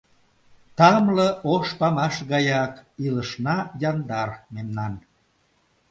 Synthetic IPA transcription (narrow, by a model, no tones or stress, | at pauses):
t̪ɑmləʔoʃpɑmɑʃɣɑjɑkiləʃnɑjɑnd̪ɑrmemnɑn